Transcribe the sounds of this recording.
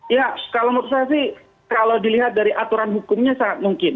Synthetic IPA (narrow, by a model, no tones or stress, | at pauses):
jakalaməɾus̬aas̬ɪh | kalawdiliɦat̪̚daɾiʔat̪uɾanɦukʊmɲasaŋat̪̚muŋkɪn